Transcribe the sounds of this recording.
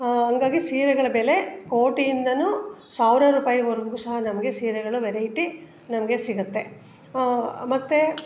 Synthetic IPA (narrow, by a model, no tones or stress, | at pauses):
ɦɐŋɡaːɡisiːɾɛɡɐɭɐbeːle̞koːʈijind̪ɐnusaːʋɾɐɾuːpaːjɐoɾɡɡuːsɐɦɐnɐmɐɡe̞siːɾɛɡɐɭuʋeɾɐjiʈi | nɐmɐɡe̞siɡɐt̪ːe̞ | mɐt̪ːe